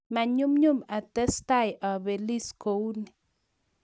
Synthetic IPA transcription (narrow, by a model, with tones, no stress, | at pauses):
ma˨ɲu˦mɲu˦˨ma˨t̪ɛ˦st̪a˦˨jʔa˨be˨li˦sko˨wni˨